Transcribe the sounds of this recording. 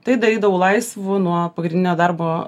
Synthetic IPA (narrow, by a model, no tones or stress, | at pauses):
t̪ɐɪd̪ɐɾʲiːd̪ɐʋɐʊlˠɐɪsʋʊnuɔpɐɡɾʲɪnʲɪnʲoːd̪ɐɾboː